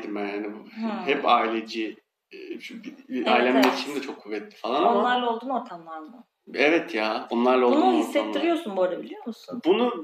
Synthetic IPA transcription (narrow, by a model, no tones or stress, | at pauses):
d̪imbænhanibhɛpaːilʲed͡ʒi | aːjlʲamait͡ʃʰimd̪ɛt͡ʃʰo̞kʰːuvːɛt̪ʰːi̥falˠanonamˠaɾlˠaolˠd̪uːnoɾt̪ʰamlˠaɾmɯ | ɛvɛt̪ʰjaːo̞nlˠaɾlˠaolˠunuɦisːɛt̪ːiɾɾijo̞ɾsunboɾabilʲijoɾmusunbunu